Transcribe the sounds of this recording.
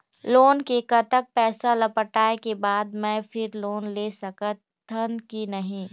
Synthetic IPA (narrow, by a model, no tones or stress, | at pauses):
loːnkekɐt̪ək̚pɛːsalɐpəʈaːekebaːd̪mɛ̃fɪɾloːnleːsɐkə | t̪ʰɐnkinɐɦĩː